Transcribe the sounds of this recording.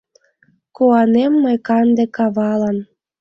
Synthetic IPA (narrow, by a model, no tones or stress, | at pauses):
koɑnemːɤjkɑnd̪ĕkɑβɑlɑn